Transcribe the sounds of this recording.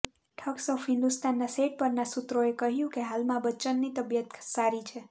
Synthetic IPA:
ʈʰəksɔfɦɪ̃nd̪ust̪anːaseʈ̚pəɾnasut̪ɾoekəɦjũkeɦalmãbətːt͡ʃənːit̪əbjət̪saɾit͡ʃʰe

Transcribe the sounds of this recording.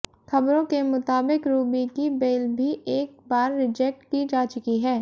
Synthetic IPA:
xʰɐbɾõkemʊt̪aːbɪkɾuːbikibeːlbʱiʔeːk̚baːɾːɪd͡ʒɛk̚ʈkid͡ʒaːt͡ʃʊkiɦɛː

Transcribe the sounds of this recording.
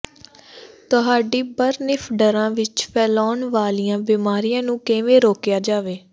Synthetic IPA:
t̪ʊɦaːɖiːbəɾnɪpʰɖəɾãːʋɪt͡ʃpʰɛːlɔːnʋaːlijãːbiːmaːɾijãːnũːkeːʋẽːɾoːkjaːd͡ʒaːʋeː

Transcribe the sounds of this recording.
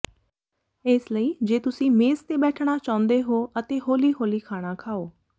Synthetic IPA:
ɪsləiːd͡ʒeːt̪ʊsĩːmeːzt̪eːbɛːʈʰɽaːt͡ʃãːʊ̃nd̪eːɦoːət̪eːɦoːliːɦoːliːkʰaːɽ̃aːkʰaːoː

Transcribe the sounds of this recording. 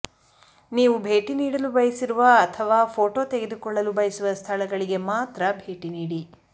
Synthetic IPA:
niːʋubʱe̞ːʈiniːɽɐlubɐjɐsiɾuʋɐːt̪ʰɐʋaːpʰoːʈo̞ːt̪e̞ɡe̞d̪ukɔɭːɐlubɐjɐsuʋɐst̪ʰɐlɐɡɐɭiɡe̞maːt̪ɾɐbʱeːʈiniːɽi

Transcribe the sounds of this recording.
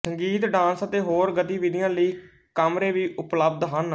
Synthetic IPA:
səŋɡiːt̪ɖãːnsət̪eːɦoːɾɡət̪iːʋɪd̪ɪjãːləiː | kəmɾeːʋiːʔʊpləb̚d̪ɦən

